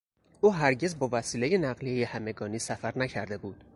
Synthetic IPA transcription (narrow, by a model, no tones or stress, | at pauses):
uːɦæɾɟe̞zbɒːvæsiːle̞je̞næɢlijejehæme̞ɡɒːniːsæfæɾnæcʰæɾd̪e̞buːd̪̥